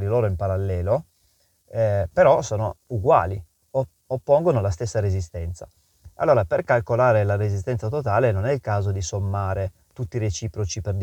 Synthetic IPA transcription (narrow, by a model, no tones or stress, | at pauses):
d̪iloːɾoimpaɾalːɛːlo | peɾɔsoːnouɡwa̰ːli | o | opːoŋɡonolast̪esːaɾezist̪ɛnt̪sa̰ | a̰lːoːɾaperkalkolaːɾelaɾezist̪ɛnt̪sat̪ot̪aːlenonɛilkaːzod̪isomːaːɾe | t̪ut̪ːiɾet͡ʃiːpɾot͡ʃiperd̪